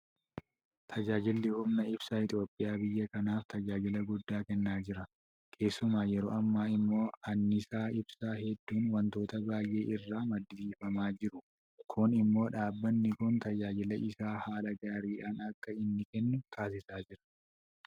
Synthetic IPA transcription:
t̪ʰɐd͡ʒaːd͡ʒɪlːɪhʊmnɐɪb̥saːɪt̪ʼjo̞ːpʼːɪjaːbɪjːɐkɐnaːft̪ɐd͡ʒaːd͡ʒɪlɐɡʊd̪ːaːkɛnːaːd͡ʒɪɾɐ | kʰe̞ːsːʊmaːjɛɾo̰ːɐmːaːɪmːo̞ːɐnːɪsaːɪbsaːhɛd̪ːuːnwɐnt̪o̞ːt̪ɐbaːjʔe̞ːʔɪrːaːmɐd̪ːɪdiːfɐmaːd͡ʒɪɾʊ | kʰʊnɪmːo̞ːᶑaːbːɐnːɪkʊnt̪ɐd͡ʒaːd͡ʒɪlɐʔɪsaːhaːlɐɡaːɾiːᶑaːnɐkːɐɪnːɪkɛnːʊt̪ʰaːs̬ɪsaːd͡ʒɪɾɐ̥

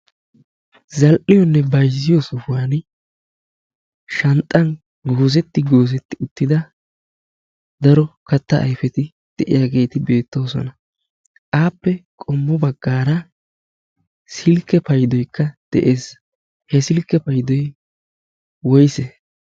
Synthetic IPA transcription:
zɐlʔɪjɔnːɛbɐjzːɪjɔsʊfʊwaːn | ʃɐnt̪ʼːɐn | ɡoːzɛt̪ːɪɡoːzɛt̪ːɪʊt̪ːɪd̪ɐ | d̪ɐɾɔkɐt̪ːɐʔɐ̰jfɛt̪ɪ | d̪̥ɛʔɪ̰jaːɡe̞ːt̪ɪbe̞ːt̪ːo̞ːsɔ̰nɐ | ʔaːpːɛkʼɔmːɔbɐɡːaːɾɐ | sɪlkːɛpɐjd̪ɔjkʰːɐd̪̥ɛʔeːs | hɛsɪlkːɛpɐjd̪ɔj | wɔjse

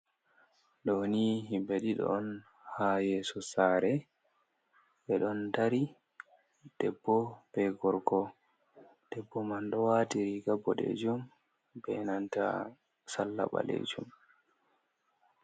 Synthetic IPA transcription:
ɗoniɦimbeɗiɗɔ̰n | haːjɛsɔsaːɾɛ | ɓɛɗɔntaɾi | d̥ɛbːɔbɛɡɔɾkɔ | d̥ɛbːɔmanɗɔwatiɾiɡabːɔɗɛ̰d͡ʒum | bɛnanta̰ | salːa̰ɓa̰lḛd͡ʒum

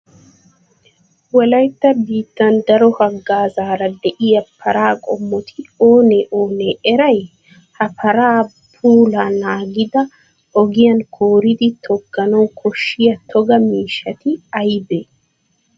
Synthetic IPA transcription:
wɐlɐjt̪ːɐbiːt̪ːɐnd̪ɐɾɔhɐɡːaːzaːɾɐd̪ɛʔɪjɐpʰːɐɾaːkʼɔmːɔt̪ʰɪoːnɛʔoːnɛʔɛɾɐj | hɐpʰɐɾaː | puːlaːnaːɡɪd̪ɐ | ɔɡɪjɐŋkʰoːɾɪd̪ɪt̪ʰɔɡːɐnɔːkʰɔʃːɪjɐt̪ʰɔɡɐmiːʃɐt̪ɪɐjbɛ

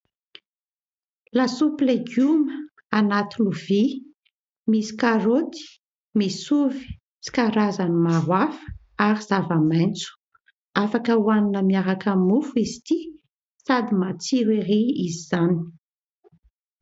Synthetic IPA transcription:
lasupleɡumə | anat̪inuvi | misi̥kaɾot̪i̥ | misuvi̥ | t͡si̥kaɾazanimaɾwafə̥ | aɾiz̥avamajnt͡su̥ | afakəuwaninəmiaɾakəmufuizi̥t̪i | sad̪imat͡siɾeɾiiziz̥ani̥

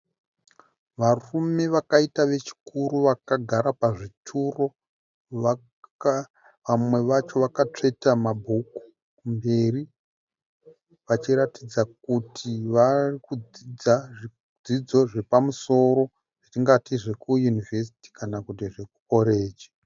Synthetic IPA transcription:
ʋarume̞ʋakaitaʋe̞t͡ʃi̥kuɾuʋakaɡʱaɾapaʐitʰuro̞ | ʋamwe̞ʋat͡ʃo̞ʋakat͡ʂe̞tamabʱuku̥ | mbe̞ri | ʋat͡ʃiɾatid͡zak̚utʰiʋarikud͡zid͡za | d͡zid͡zo̞ʐe̞pamuso̞ɾo̞ | ʐ̥it͡ʃiŋɡatiʐe̞kujunive̞s̬i̥ti̥kanakut̬iʐe̞k̚uko̞ɾe̞ːd͡ʒi

